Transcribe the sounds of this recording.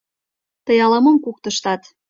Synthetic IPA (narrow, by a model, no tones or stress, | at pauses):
t̪ə̆jɑlɑmɤ̆mkuk̚t̪ə̆ʃt̪ɑt̪